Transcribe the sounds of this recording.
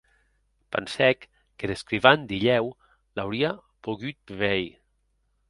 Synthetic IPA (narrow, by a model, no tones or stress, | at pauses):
pa̰nsɛkː | eðeskɾiβand̪iʎɛw | lawɾia | poɣyt̪̚βɛj